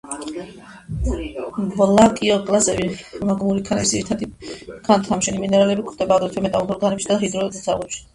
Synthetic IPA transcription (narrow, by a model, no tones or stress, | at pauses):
vlakʼiɔkʼlazɛvimaɡmuɾikʰanɛisd̪iɾit̪ʰad̪ikʰant̪ʰamʃɛniminɛɾalɛbikʰɾd̪ɛbaːvd̪ɾɛp̪ʰɛmɛt̪ʼamɔɾɡanɛpʃid̪aɦid̪ɾɔɛzsʰa̰ʁlɛpʃi̥